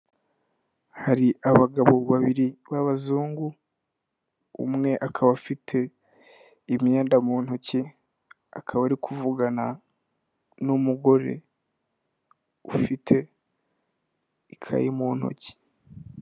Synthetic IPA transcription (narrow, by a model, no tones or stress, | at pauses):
haɾiʔaβaɡaβo̞βaβiɾiβaβazuːŋɡu | ṵmŋe̞ʔakʰaβafitʰe̞ | imɲaeːndamuːn̥oci | a̰kʰaβaɾikʰuvuɡana | numuɡo̞ɾḛ | ufitʰe̞ | ikʰa̰jimuːn̥ho̰ci̥